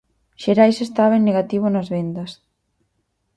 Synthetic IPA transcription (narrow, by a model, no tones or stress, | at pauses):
ʃeɾajsest̪aβenːeɣat̪iβ̞onɐzβend̪ɐs